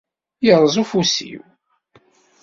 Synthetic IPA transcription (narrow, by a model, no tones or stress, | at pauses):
jəɾˤəzˤufusḭw